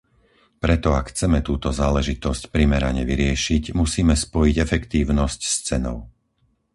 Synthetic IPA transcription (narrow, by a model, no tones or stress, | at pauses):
pɾɛt̪ɔakxt͡sɛmɛt̪uːt̪ɔzaːlɛʒit̪ɔscpɾimɛɾa̰ɲɛʋiɾɪɛʃicmusiːmɛspɔjiɟɛfɛkt̪iːʊnɔscst͡sɛnɔ̰ʊ